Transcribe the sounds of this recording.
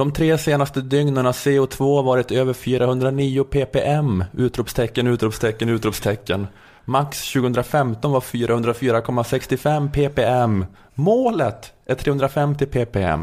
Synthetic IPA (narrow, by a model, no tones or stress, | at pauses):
d̪̥ɔmt̪ʰɾeːseːnast̪əd̪ʏŋnəɳaseːʊt̪ʰvoːavɑːɾɪt̪øːvəɾfyːɾahɵnd̪ɾaniːʊpʰeːpeːʔɛmʉ̟ːt̪ɾuːpst̪ʰɛkːənʉ̟ːt̪ɾuːpst̪ʰɛkːənʉ̟ːt̪ɾuːpst̪ʰɛkːən | maksɕʉɡəɵnd̪ɾafɛmt̪ɔnvaɾfyːɾahɵnd̪ɾafyːɾakʰɔmːasɛkst̪ɪfɛmːpʰeːpeɛm | moːlət̪æt̪ʰɾeːhɵnd̪ɾafɛmt̪ɪpʰeːpeɛ̰mː